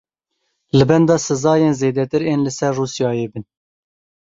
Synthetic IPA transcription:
lɨbɛnd̪ɑːsɨzɑːjeːnzeːd̪ɛt̪ɨɾeːnlɨsɛrːuːsjɑːjeːbɨn

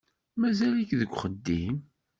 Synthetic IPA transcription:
mæzælikðəɡʷːχəd̪ːim

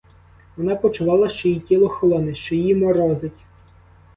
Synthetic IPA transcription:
ʋɔnɑpɔt͡ʃʊʋɑlˠɐʃt͡ʃɔjitʲilˠɔxɔlˠɔnɪʃt͡ʃɔjimɔɾɔzɪtʲ

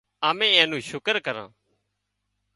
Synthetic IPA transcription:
aːmẽːɛ̃ːnũːʃʊkəɾkəɾã̰ː

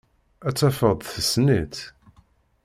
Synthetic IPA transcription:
æt͡sːæfəðˤθəsnit̪

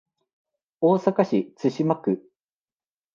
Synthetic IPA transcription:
o̞ːsakaɕit͡sɨɕimakɯ

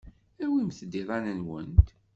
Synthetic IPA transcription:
æwimθd̪iðˤɑnənwə̰nt̪

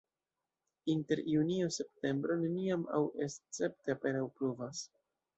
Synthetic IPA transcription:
inte̞ɾjuniose̞pte̞mbɾo̞ne̞niama̰wʔest͡se̞pteape̞nawpɾuvas

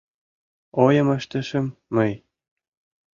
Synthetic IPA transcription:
ojɤ̆mɘ̆ʃt̪ɘ̆ʃɘ̆mːɤ̆j

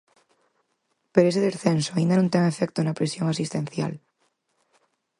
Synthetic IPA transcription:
peɾoes̬eðesθensoaĩnd̪anõnt̪eŋefek̚t̪onapɾesjoŋasist̪ẽnθja̰l

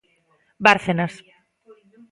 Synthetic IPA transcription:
baɾθenas

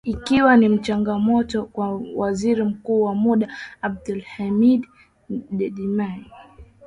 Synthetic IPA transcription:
ikiwanim̩t͡ʃaŋɡamɔtɔkwawaziɾim̩kuːwamuɗaːb̚dulhamiɗ | ɗɛɗimai

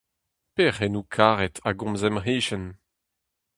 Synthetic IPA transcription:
peʁenukʰaːʁɛtʰaɡɔ̃mzɛmʁiːʃɛn

